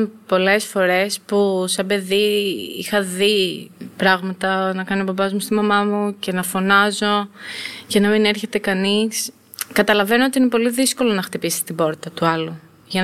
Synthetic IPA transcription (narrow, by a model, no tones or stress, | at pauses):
po̞le̞sfo̞ɾe̞spusɐbe̞ðiḭxɐðipɾɐɣmɐt̪ɐnɐkɐnobɐbɐzmust̪imɐmɐmuce̞nɐfo̞nɐzo̞cɐnɐmine̞ɾçe̞t̪e̞kɐnis | kɐt̪ɐlɐve̞noot̪iine̞po̞liðisko̞lo̞nɐxt̪ipisi̥t̪ibo̞ɾt̪ɐt̪uɐlu | ʝɐn